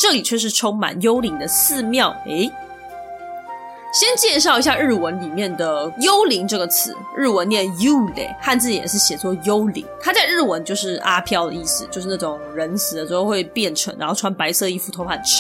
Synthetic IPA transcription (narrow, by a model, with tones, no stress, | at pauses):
ʈ͡ʂɤ˥˩li˨˩t͡ɕʰɥɛ˥˧ʂɻ̩˥˩ʈ͡ʂʰʊ˥ŋma̰˨˩njo˥ʊli˧˥ŋd̪ə˧sɹ̩˥˧mjɑ˥˩ʊe˧˥ɪ | ɕjɛ˥nt͡ɕjɛ˥˧ʂɑ˥˩ʊi˧˥ɕja˥˧ɻɻ̩˥˩wə˧˥nli˨˩mjɛ˥˩nd̪ə˩jo˥ʊli˧˥ŋʈ͡ʂɤ˥˩ɡə˩t͡sʰɹ̩˧˦ɻɻ̩˥˩wə˧˦njɛ˥˩ju˥lḛ˨˩˦ɪxa˥˧nt͡sɹ̩˥˩t͡ɕi˨jɛ̰˨˩ʂɻ̩˥˩ɕjɛ˨˩t͡swɔ˥˧jo˥ʊlḭ˧˥ŋt̪ʰa˥t͡sa˥˧ɪɻɻ̩˥˩wə˧˦˥nt͡ɕjo˥˧ʊʂɻ̩˥˩ʔa˥pʰjɑ˥ʊd̪ə̰˧i˥˩sɹ̩˨˩t͡ɕjo˥˧ʂɻ̩˥˩na˥˩ʈ͡ʂʊ˨˩˦ŋɻə˧˦˥nsʰɹ̩˨˥d̪ə˧˩ʂ̩˧˥xo˥˧xwe˥˧ɪpjɛ˥˩nʈ͡ʂʰɤ˧˥ŋɻa̰˧˥xo˥˩ʊʈ͡ʂʰa˥npa˧˥ɪsɤ˥˧i˥˩fu˧˩t̪ʰo˧˥ʊpʰa˥˧˩nʈ͡ʂ̩ʰ˥